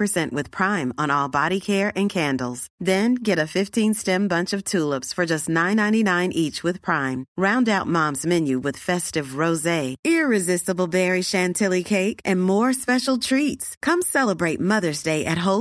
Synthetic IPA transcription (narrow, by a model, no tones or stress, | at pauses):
pə˞sɛ̃nʔwɨð̥pʰɹ̥ãɪ̃mə̃nɔlˠbɑɾikʰɛɹɨ̃nkʰæ̃ndˡl̩ˠz̥ðɨ̃nɡɛɾɨfɪftʰĩnstɛ̃mbʌ̃nt͡ʃʌv̥tʰulˠəpsfə˞d͡ʒʌstⁿnãɪ̃nãɪ̃ñinãɪ̃nʔit͡ʃwɨð̥pʰɹ̥ãɪ̃mɹãʊ̃ndaʊt̚mɑ̃mzmɛ̃njʉwɨð̥fɛstɨvɹoʊzeɪɪɹɨzɪstəbl̩ˠbɛɹiʃæ̃ntʰɪlˠikʰeɪkʔɨ̃nmɔɹspɛʃl̩ˠtʰɹ̥itskʰʌ̃msɛlˠəbɹeɪt̚mʌðə˞zdeɪʔɨt̚ɦoʊ